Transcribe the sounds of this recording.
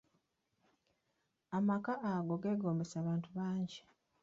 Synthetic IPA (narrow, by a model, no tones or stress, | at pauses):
amakaʔaɡo̞ɡe̞ːɡo̞ːmbesaːβaːntuβaːɲɟi